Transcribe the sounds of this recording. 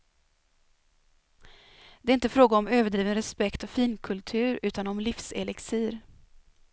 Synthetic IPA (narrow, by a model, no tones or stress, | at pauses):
d̪̥ɛæɾɪnt̪əfɾoːɡaɔmøːvəɖɾiːvənɾɛspɛkt̪ɔfiːnkʰɵlt̪ʰʉ̟ːɾʉ̟ːt̪anɔmlɪfsḛlɪksiːɾ